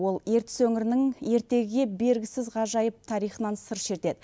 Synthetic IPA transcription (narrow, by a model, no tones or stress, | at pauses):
wo̞lˠe̞ɾt̪ɪ̥sɵŋɪɾɪnɪŋe̞ɾt̪e̞ɡʲɪɡʲe̞be̞ɾɡʲɪsɪzʁɑʒɑjəp̚t̪ʰɑɾijχənɑnsəɾʃe̞ɾt̪e̞d̪ɪ